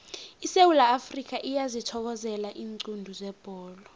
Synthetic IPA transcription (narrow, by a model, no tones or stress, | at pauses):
isewulaːfrik̬ʼaʔijazitʰɔk̬ɔzɛlaʔiːŋǀundʱuzɛb̥ʱɔːlɔ